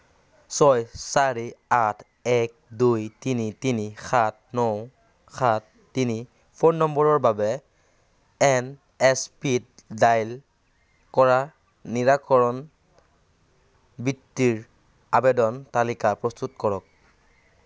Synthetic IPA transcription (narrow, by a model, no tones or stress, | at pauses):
sɔjsaɹiatʰ | ɛk̚dujtinitinixʰat̚ʰnɔw | xʰatːini | pʰonːɔmbɔɹɔɹbabɛ | ɛn | ɛspitdajl | kɔɹa | niɹakɔɹɔn | bitːiɹ | abɛdɔntalikapɹɔstutkɔɹɔk̚